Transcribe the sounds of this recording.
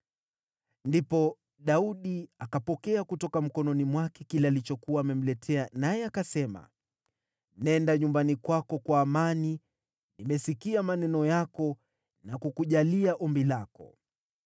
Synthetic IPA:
ndipɔ | ɗauɗiakapɔkɛakutɔkam̩kɔnɔnimwakɛkilɛalit͡ʃɔkuwaːmɛm̩lɛtʰɛanajɛakasɛma̰ | nɛndaɲumbanikwakɔkwaːmani | nimɛsikiamanɛnɔjakɔ | nakukuʄaliaʔɔmbilakɔ̰

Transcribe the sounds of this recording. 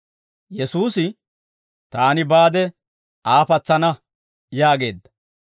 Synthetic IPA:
jɛsuːsɪ | t̪aːnɪbaːd̪ɛ | aːpɐt͡sːɐnɐ | jaːɡe̞ːd̪ːɐ̥

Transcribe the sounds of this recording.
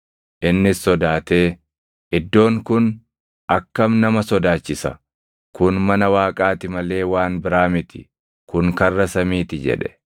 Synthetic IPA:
ʔɪnːɪsːɔd̪aːt̪e̞ː | ʔɪd̪ːo̞ːŋkʊn | ʔɐkːɐmnɐmɐsɔd̪aːt͡ʃːɪsɐ̰ | kʊnmɐnɐwaːkʼaːt̪ɪmɐle̞ːwaːnbɪɾaːmɪt̪ɪ̰ | kʊŋkɐrːɐsɐmiːt̪ɪd͡ʒɛ̰ᶑɛ̥

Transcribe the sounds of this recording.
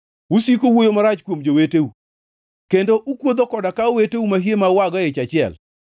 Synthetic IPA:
usikowojomaɾat͡ʃkwomd͡ʒoweteu | kendoʔukwod̪okɔdakaoweteumaɦiemawaɡɔjet͡ʃat͡ʃɪɛ̰l

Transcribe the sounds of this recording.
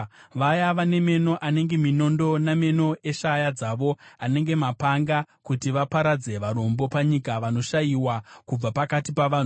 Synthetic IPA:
ʋajaʋane̞me̞no̞ʔane̞ŋɡe̞mino̞ndo̞name̞no̞e̞ʃajad͡zaʋo̞ane̞ŋɡe̞mapaŋɡa | kutiʋapaɾad͡ze̞ʋaɾo̞mbo̞paɲikaʋano̞ʃajiwakub͡vapakatipaʋanu

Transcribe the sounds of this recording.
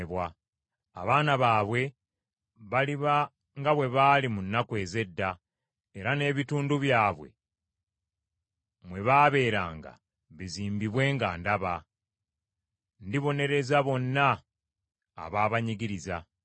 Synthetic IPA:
βwa | a̰βaːnaβaːβwe̞ | βaliβa | ŋɡaβwe̞βaːlimunːakwe̞ːze̞dːa | eɾane̞βituːnduβjaːβwe̞̰ | mwe̞βaːβe̞ːɾaːŋɡa̰ | βiziːmbiβwe̞ːŋɡaːndaβa | ndiβo̞ne̞ɾe̞zaβo̞nːaː | βaːβaɲiɡiɾiza

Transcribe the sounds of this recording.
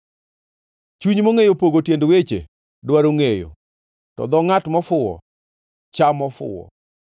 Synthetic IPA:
t͡ʃuɲmoŋejopoɡotjendwet͡ʃḛ | dwaɾoŋejo̰ | tɔ̰d̪ɔŋatmɔfʊwɔ̰ | t͡ʃamɔfʊ̰wɔ̰

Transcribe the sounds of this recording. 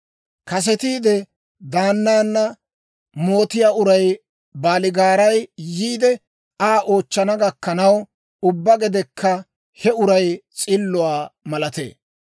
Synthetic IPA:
kɐs̬ɛt̪iːd̪ɛ | d̪aːnːaːnːɐ | mo̞ːt̪ɪjaːʊɾɐj | baːlɪɡaːɾɐjjiːd̪ɛ | aːʔo̞ːt͡ʃːɐnɐɡɐkːɐnɐw | ʊbːɐɡɛd̪ɛkʰːɐ | hɛʊɾɐjt͡sʼɪlːʊwaːmɐlɐt̪ḛː

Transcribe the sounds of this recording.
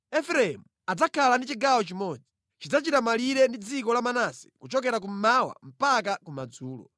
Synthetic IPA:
ɛfɾɛɛmu | ad͡zakʰalandit͡ʃiɡawɔt͡ʃimɔd͡zi | t͡ʃid͡zat͡ʃitamaliɾɛndid͡zikɔlamanasɛ̥kut͡ʃɔk̬ɛɾak̬um̩mawa̰m̩pakakumad͡zuːlɔ̰

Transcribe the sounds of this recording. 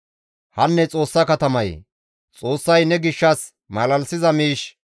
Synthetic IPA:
hɐnːɛt͡sʼo̞ːsːɐkɐt̪ɐmɐj | t͡sʼo̞ːsːɐjnɛɡɪʃːɐs | mɐlɐlsɪzɐmiːʃ

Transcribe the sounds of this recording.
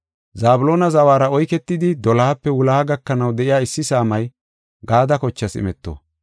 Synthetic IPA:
zaːbʊlo̞ːnɐzɐwaːɾɐɔjkɛt̪ːɪd̪ɪd̪ɔlaːpːɛwʊlaːɡɐkːɐnɐwd̪ɛʔɪjaːɪsːɪsaːmɐj | ɡaːd̪ɐkɔt͡ʃːɐsɪ̰mɛt̪ːo̰ː

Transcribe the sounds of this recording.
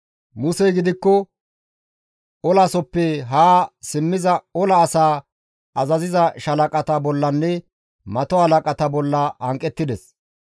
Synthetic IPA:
mʊsɛjɡɪd̪ɪkːɔ | ɔlasɔpːɛɦaːsɪmːɪzɐɔlɐːsaː | ɐzɐzɪzɐʃɐlɐkʼɐt̪ɐbɔlːɐnːɛ | mɐt̪ɔhɐlɐkʼɐt̪ɐbɔlːɐɐŋkʼɛt̪ːɪd̪ɛs

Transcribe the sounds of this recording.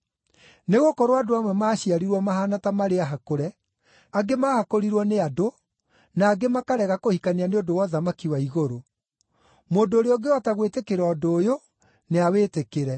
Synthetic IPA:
neɣokɔɾoadoamwɛmaːɕiaɾiɾwɔmaɦanatamaɾeaɦakoɾɛ | aɡemahakoɾiɾwɔneado | naːɡemakaɾɛɣakohikaneaneodowɔðamakiwaiɣoɾo | moːndoːɾeɔɡeɔtaɣwetekeɾɔdoːjo | neaweːtekeɾɛ

